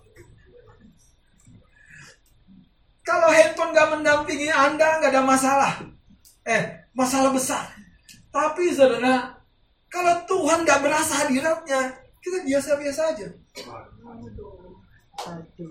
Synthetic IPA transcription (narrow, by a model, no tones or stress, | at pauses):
kalowɦepənɡaʔməndanp̪iŋiandaŋɡadamasalah | ɛhmasalahbəsar | t̪apis̬adana | kalowt̪uɦandaʔbəɾasaɦadiɾat̚ɲa | kit̪abiasabiasaːd͡ʒa